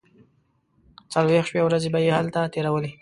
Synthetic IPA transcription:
t͡salwexʃpewɾazebajehalt̪at̪eɾawəle

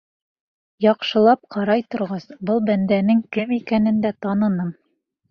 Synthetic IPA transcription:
jɑqʃɤ̆lˠɑp̚qʰɑɾɑjt̪ŏɾʁɑsbɤlˠbænd̪ænɘŋkɘmikænɘ̆nd̪æt̪ɑnɤ̆nɤm

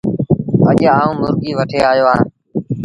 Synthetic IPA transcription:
əʄaːũːmʊɾɡiːʋəʈʰeːaːjoːã̰ː

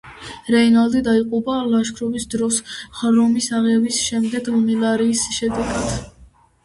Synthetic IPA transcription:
ɾɛinalˠd̪id̪aiqʼubalaʃkʰɾɔvisd̪ɾɔsχɾɔmisaʁɛbisʃɛmd̪ɛɡlmilˠaɾiːsʃɛd̪ɛɡad̪̥

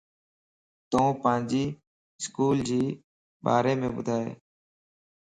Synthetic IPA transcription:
t̪õːpə̃ːɲd͡ʒiː | skuːld͡ʒiː | ɓa̰ːɾeːmẽːɓʊd̪ʱaːḛː

